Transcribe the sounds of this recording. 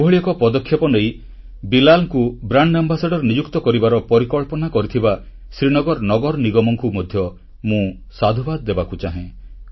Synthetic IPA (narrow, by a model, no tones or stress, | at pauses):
bʱɔɭijɔkɔpɔd̪ɔkʰjɔpɔnej | bilalkubɾaɳɖambasaɖɔɾnid͡ʒukt̪ɔkɔɾibaɾɔpɔɾikɔɭpɔnakɔɾit̪ʰiba | sɾinɔɡɔɾnɔɡɔɾɔniɡɔmɔŋkumɔd̪ʱjɔ | mũ | sad̪ʱɔbad̪ɔd̪ebakut͡ʃaɦẽ